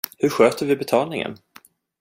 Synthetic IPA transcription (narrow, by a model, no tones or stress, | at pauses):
hɵɾɧøːt̪əɾvɪbɛt̪ʰɑːlnɪŋə̰n